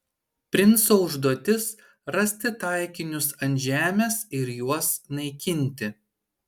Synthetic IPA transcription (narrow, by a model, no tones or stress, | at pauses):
pʲɾʲɪnˑsoːʊʒd̪uɔt̪ʲɪs | ɾɐsʲt̪ʲɪt̪ɑˑɪkʲɪnʲʊsɐnʲʒʲæːmʲɛsɪɾjuɔsnɐɪkʲɪnʲˑt̪ʲɪ